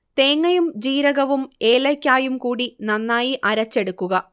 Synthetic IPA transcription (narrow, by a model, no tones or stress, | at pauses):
t̪e̞ːŋːɐjumd͡ʑiːɾɐɣɐʋume̞ːlɐkʲːaːjumkuːɽinɐnːaːjiʔɐɾɐt͡ɕːe̞ɽukːuɣɐ